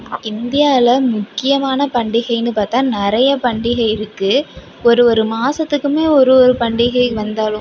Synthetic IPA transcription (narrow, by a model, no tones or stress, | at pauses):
ɪnd̪ɪjaːɪlɐmʊkːɪjɐmaːnɐpɐɳɖɪɣɐɪnːɯpaːɾt̪ãːnɪɾɐjɐpɐɳɖɪɣɐɪɪɾɯkːɯ | ɔɾɯɔɾɯmaːsɐt̪ːɯkːɯmeːɔɾɯɔɾɯpɐɳɖɪɣɐɪʋɐnd̪aːlɯ̃